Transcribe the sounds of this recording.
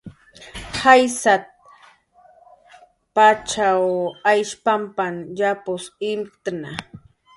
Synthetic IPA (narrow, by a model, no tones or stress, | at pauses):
hajsat̪̚ | pat͡ʃawajʃpampanjapʊsɪmt̪na